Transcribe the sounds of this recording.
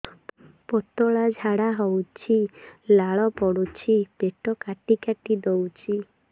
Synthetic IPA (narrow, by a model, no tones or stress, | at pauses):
pɔt̪ɔɭad͡ʒʱaɽaɦɔwt͡ʃʰilaɭɔpɔɽut͡ʃʰipeʈɔkaʈikaʈid̪owt͡ʃʰi